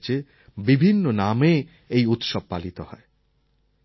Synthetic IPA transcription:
t͡ɕe | bibʱinːoname | ejut̪ʃob̚palit̪ohɔe

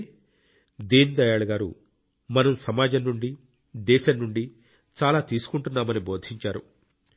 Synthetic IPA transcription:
d̪iːnd̪ɐjaːɭɐɡaːɾṵ | mɐnɐmsɐmaːd͡ʒɐnnuɳɖi | d̪ɛːʃɐnnuɳɖi | t͡ʃaːlaːt̪iːsu̥kuɳʈunːaːmɐnibo̞ːd̪ʱiɲt͡ʃaːɾṵ

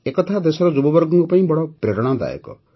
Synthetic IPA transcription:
ekɔt̪ʰad̪esɔɾɔd͡ʒubɔbɔɾɡɔŋkɔpaĩbɔɽɔpɾeɾɔɽ̃ad̪a̰jɔ̰kɔ̰

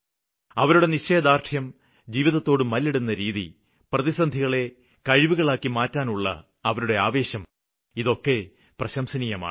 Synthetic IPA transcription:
ɐʋɐɾuɽe̞niɕeːd̪aːrt̪ʰjɐm | d͡ʑiːʋiðɐt̪ːo̞ːɽɨmɐlːiɽunːɐɾiːðḭ | prɐðisɐnd̪ʱiɣɐɭe̞ | kɐɻiʋuɣɐɭaːkːimaːtːaːnuɭːɐ̰ | ɐʋɐɾuɽe̞aːʋe̞ːɕɐm | iðo̞kːe̞ | prɐɕɐmsɐnijɐma̰ː

